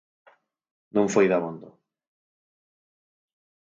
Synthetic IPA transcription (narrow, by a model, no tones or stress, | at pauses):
nõŋfojðaβond̪o